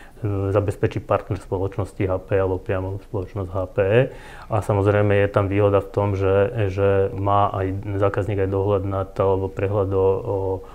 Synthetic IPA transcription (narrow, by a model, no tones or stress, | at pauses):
zabɛspɛt͡ʃipaɾt̪nɛɾspɔlɔt͡ʃnɔsciɦaːpɛalɛbɔpɾɪamɔspɔlɔt͡ʃnɔzɟɦaːpɛ | asamɔzɾɛjmɛjɛt̪amʋiːɦɔd̪aft̪ɔmʒɛʒɛmaːʔajzaːkazɲiːɡajd̪ɔɦlad̪nat̪ɔalɛbɔpɾɛɦlad̪ɔɔ